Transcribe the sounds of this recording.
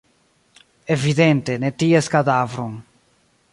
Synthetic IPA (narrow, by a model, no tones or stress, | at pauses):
eviðent̪enet̪ieskaðavɾoŋ